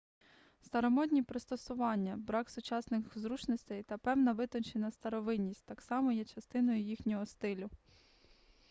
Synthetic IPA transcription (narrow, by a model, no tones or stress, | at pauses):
st̪ɐɾɔmɔd̪ʲnʲipɾɪst̪ɔsʊʋɑnʲːɐbɾɑksʊt͡ʃɑsnɪxzɾut͡ʃnɔsʲt̪ɛjt̪ɐpɛwnɐʋɪt̪ɔnʲt͡ʃenɐst̪ɐɾɔʋɪnʲːisʲtʲt̪ɑksɑmɔjɛt͡ʃɐst̪ɪnɔjʊjixnʲɔɦɔst̪ɪlʲʊ